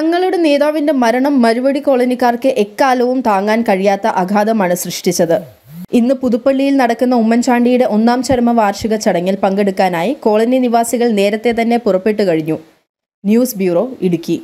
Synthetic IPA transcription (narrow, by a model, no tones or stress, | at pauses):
t̪ɐŋːɐɭuɽene̞ːðaːʋinde̞mɐɾɐɳɐmːɐɾubɐɽiko̞ːɭɐnikːaːrkɨʔe̞kːaːlɐʋumt̪aːŋːaːnkɐɻijaːt̪ːɐʔɐɡʱaːd̪ɐmaːɳɨsrɨʂʈit͡ɕːɐðɨ | inːɨpuðupːɐɭːijilnɐɽɐkːunːɐumːɐnt͡ɕʰaːɳɖijuɽe̞ʔo̞nːaːmt͡ɕɐɾɐmɐʋaːrʂiɣɐt͡ɕɐɽɐŋːilpɐŋɡeɽukːaːnaːjiko̞ːɭɐniniʋaːsiɣɐɭne̞ːɾɐt̪ːe̞t̪ɐnːe̞purɐpːeʈːɨkɐɻiɲːu | njuːsbjuːro̞ːiɽukʲːi